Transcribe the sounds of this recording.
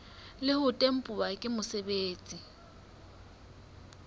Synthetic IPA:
lɪhʊtʼem̩pʼʊakʼɪmʊsebeːt͡sʼi

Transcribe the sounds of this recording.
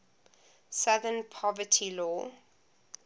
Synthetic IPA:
saðə̃npʰɔvətʰilɔː

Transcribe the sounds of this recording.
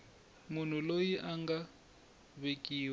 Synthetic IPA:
mun̤ulojiʔaŋɡa | βekʼiːw

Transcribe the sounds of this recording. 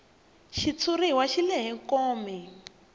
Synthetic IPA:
ʃit͡sʰuriwaʃilɛɦɛkɔːmɛ

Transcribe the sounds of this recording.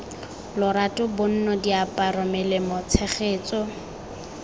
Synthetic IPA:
lʊɾatʊbʊn̩nɔdiapʼarɔmɛlemʊt͡sʰɛχeːt͡sɔ

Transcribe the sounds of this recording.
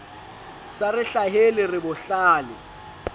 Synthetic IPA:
sarɪɬaɦelɪrɪbʊɬaːlɪ

